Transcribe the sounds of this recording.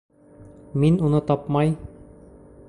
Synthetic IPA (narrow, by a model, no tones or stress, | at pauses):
minunɤt̪ɒpmɑj